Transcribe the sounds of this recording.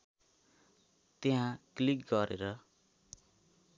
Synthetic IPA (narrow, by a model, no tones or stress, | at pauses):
t̪eɦãklikɡʌɾʔḛɾʌ